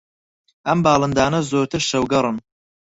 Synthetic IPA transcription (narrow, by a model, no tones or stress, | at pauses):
ʔɐmbɑːlˠɨnd̪aːnɐzoːɾt̪ʰɨɾʃɐwɡɐɾˤɨn